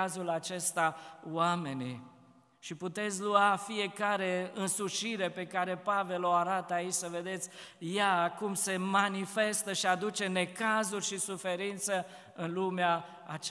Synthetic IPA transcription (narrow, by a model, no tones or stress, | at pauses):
azulat͡ʃe̞st̪awame̞nḭ | ʃiput̪e̞t̪sʲluafije̞kaɾe̞ɨnsuʃiɾe̞pe̞kaɾe̞pave̞lo̞aɾat̪əait͡ʃʲsəve̞d̪e̞t̪sʲ | jakumse̞manife̞st̪əʃiad̪ut͡ʃe̞ne̞kazurʲʃisufe̞ɾint̪sə | ɨnlumeaː | t͡ʃ